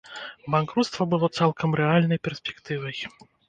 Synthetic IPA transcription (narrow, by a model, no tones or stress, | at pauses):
bankɾut̪st̪vɐbɨlˠɔt̪salˠkʰɐmɾɛalʲnɐjpʲɛrsʲpʲɛkt̪ɨvɐj